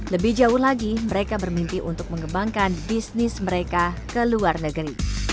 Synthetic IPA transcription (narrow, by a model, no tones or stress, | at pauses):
ləbɪhd͡ʒaʊhlaɡiməɾekabərmimpiʔunt̪ʊk̚məŋəbaŋkanbisnɪsməɾekakəluarnəɡəɾi